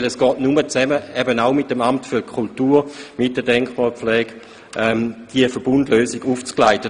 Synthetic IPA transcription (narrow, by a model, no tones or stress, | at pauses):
lɛsɡ̥ɔːtnumət͡sɛməɛbənaʊmɪtːəmamtfyɐkʰultuːmɪt̚d̥ədɛŋkχmaːflɛːɡ̥ | ʔɛmd̥iəfəɐb̥undløːsɪɡuːft͡sklaɪtə